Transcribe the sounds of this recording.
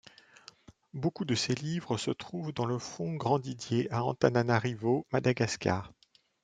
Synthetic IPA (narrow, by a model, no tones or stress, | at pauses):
bokud̪əselivʁəsət̪χuvd̪ɑ̃ləfɔ̃ɡʁɑ̃d̪id̪jeaɑ̰̃t̪ananaʁivomad̪aɡaska̰ːʁ